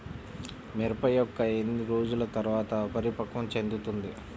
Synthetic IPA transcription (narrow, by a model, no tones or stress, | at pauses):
mɛɾɐpɐjɔkːɐend̪iɾoːd͡ʒulɐt̪ɐɾuʋaːt̪ɐpɐɾipɐkʋɐmt͡ʃe̞nd̪ut̪und̪i